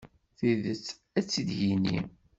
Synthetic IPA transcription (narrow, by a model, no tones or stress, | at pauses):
θiðət͡sː | æt͡sːid̪ʝinḭm